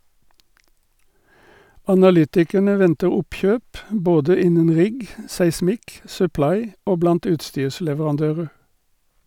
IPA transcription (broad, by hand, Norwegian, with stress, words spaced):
ɑnɑˈlʏtɪkəɳə ˈʋɛntə ˈʊpˌçøːp ˈboːdə ˈɪnən ˈʁɪɡ sæɪˈsmɪk sʉˈplɑɪ ˈoː ˈblɑnt ˈʉːtˌstyːʁslɛʋəʁɑnˌdøːʁə